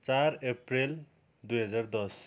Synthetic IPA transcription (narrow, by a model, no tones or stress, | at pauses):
t͡sareprel | d̪ujɦʌd͡zard̪ʌs